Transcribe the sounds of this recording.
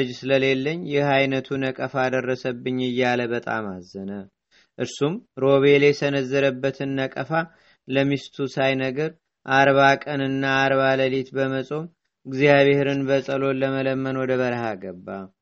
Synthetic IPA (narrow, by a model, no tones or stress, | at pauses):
ɨd͡ʒsɨləle̞lːəɲːjɪhajnət̪ʰunəkʼəfad̪ərːəsəbːɨɲːɨjːaləβət̪ʼa̰mazːənə | ʔɨɾsumɾo̞βe̞lɛsənəzːəɾəbːət̪ʰɨnːəkʼəfa | ləmist̪ʰusajnəɡəɾ | ʔaɾβakʼənɨnːaːɾβaləlet̪bəməsʼo̞m | ɡziaβehɾɨnbəsʼəlo̞ləmələmːənwɔd̪əβəɾəhaɡəbːa